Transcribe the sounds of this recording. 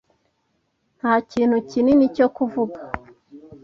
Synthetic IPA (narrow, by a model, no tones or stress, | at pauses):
n̥haːciːn̥hucininico̞kuvuɡa